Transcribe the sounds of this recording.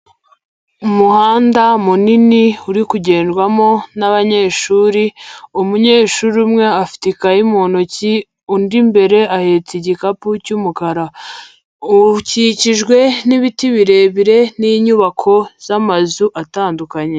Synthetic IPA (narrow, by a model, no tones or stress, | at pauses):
umuhaːndamuniniuɾikuɟe̞ːnʒɡwamo̞naβaɲe̞ːʃuːɾiumuɲe̞ːʃuɾumŋe̞afi̥tikajimonoci | undimbe̞ɾe̞ahet͡siɟikapucumukaɾa | uciciʒɡwe̞niβitiβiɾe̞βiɾe̞niɲuβakʰo̞z̥amazuʔataːndukaɲe̞